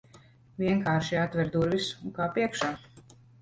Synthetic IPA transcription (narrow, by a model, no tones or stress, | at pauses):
vʲiɛŋkaːɾʃiat̪vʲɛɾd̪uɾvisuŋkaːpiɛkʃaː